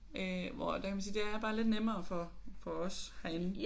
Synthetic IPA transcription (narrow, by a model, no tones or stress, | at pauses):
øʋɒ̰d̥ækʰæmænsiːd̥e̝æɐb̥ɑ̈ːle̝d̥nem̰ɐːfɒfɒ̽ɒ̽shæn